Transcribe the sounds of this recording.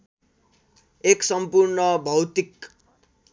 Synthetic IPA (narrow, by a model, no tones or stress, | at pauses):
eksʌmpurnʌbʱʌwt̪ik